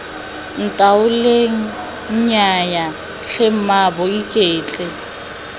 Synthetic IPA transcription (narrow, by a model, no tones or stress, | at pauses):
n̩tʼaʊleŋ̩ | ɲ̩ɲaja | ɬʰem̩mabɔikʼeːt͡ɬʼɛ